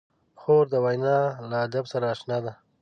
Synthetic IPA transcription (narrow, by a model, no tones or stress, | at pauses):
xoɾd̪əwajnɑlaːd̪absaɾaːʃnɑd̪a